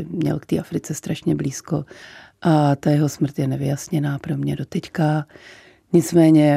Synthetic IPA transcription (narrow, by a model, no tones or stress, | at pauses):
ɪmɲɛ̰lkt̪iːʔafɾɪt͡sɛst̪ɾaʃɲɛbliːskoʔat̪ajɛɦo̞smr̩t̪jɛnɛvɪjasɲɛnaːpɾomɲɛdo̞t̪ɛcka | ɲɪt͡smɛːɲɛ